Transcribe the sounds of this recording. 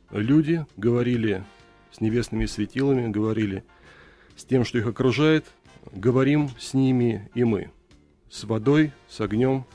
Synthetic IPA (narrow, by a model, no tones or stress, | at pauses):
lʲudʲɪɡəvɐɾʲilʲɪ | sʲnʲɪvʲe̞snɨmʲɪsvʲɪtʲilˠəmʲɪɡəvɐɾʲilʲɪ | sʲtʲe̞mʂt̪o̞ixɐkɾʊʐajɪt̪ | ɡəvɐɾʲimsʲnʲimʲɪɪmɨ̰ | svɐd̪o̞jsɐɡnʲo̞m